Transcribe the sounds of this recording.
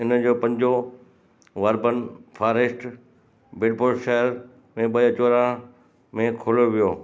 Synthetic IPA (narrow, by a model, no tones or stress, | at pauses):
ɪnə̆d͡ʑoːpɐ̃ɲd͡ʑo | ʋɐɾbənfʰaːɾesʈ | bɪɖboːlʃɐɦəɾ | mẽɓɐt͡ɕoːɾã | mẽkʰoːloʋijoː